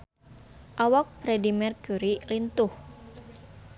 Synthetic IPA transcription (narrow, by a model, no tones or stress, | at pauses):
ʔawɔk̚fɾɛdimɛrkuɾilint̪ʊh